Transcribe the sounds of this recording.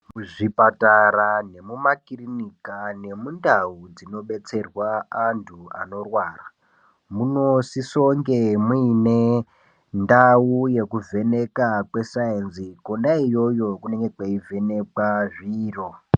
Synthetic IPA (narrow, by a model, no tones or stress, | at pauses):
muʐipataɾane̞mumakirinikane̞mundaud͡zino̞ɓe̞t͡se̞rwaːntʰua̰no̞rwaːra | muno̞siso̞ŋɡemuine̞ | ndauje̞kuve̞ne̞kakwe̞saensikondaijo̞jo̞kune̞ŋɡe̞kwaivʱe̞ne̞kaʐiːro̞